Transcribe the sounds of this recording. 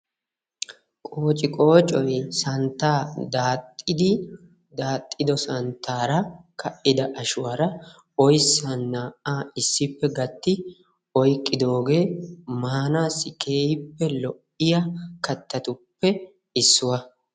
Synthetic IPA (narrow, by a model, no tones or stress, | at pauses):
kʼoːt͡ʃʼɪkʼo̞ːt͡ʃʼɔjsɐnt̪ːaːd̪aːt̪ʼːɪd̪ɪ | d̪aːt̪ʼːɪd̪ɔsɐnt̪ʰːaːɾɐkʰɐʔɪd̪ɐʔɐʃʊwɐɾɐ | ɔjsːɐnːaʔaːɪsːɪpːɛɡɐt̪ːɪ | ɔjkʼːɪd̪o̞ːɡe̞ːmaːnaːsːɪkʰe̞ːjɪpːɛlɔʔɪjɐkɐt̪ːɐt̪ʊpːɛ | ɪsːʊwɐ